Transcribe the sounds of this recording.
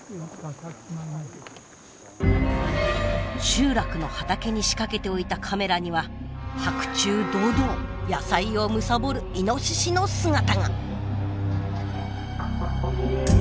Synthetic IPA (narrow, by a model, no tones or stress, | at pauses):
ɕɨːɾakɯ̟no̞hat̪ake̞ɲ̟iɕi̥kake̞t̪e̞o̞it̪akʰame̞ɾaɲ̟iβahakɯ̟̥t͡ɕɨːd̪o̞ːd̪o̞ːjasaio̞mɯ̟sabo̞ɾɯ̟ino̞ɕiɕino̞sɨŋat̪aŋa̰